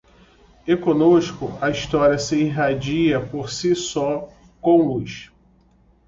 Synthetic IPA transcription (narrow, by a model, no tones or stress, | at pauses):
ekõnoʃkʊɐiʃt̪ɔɾiɐsɪiɦad͡ʒiɐpoɾsisɔ | kõw̃lujʃ